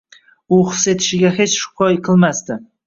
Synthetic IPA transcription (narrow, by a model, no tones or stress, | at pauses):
ʊχɨse̞t̪ʰɪʃɪɡʲaɦe̞t͡ʃʃʊ̥qʰɒjqʰɨlˠmast̪ɪ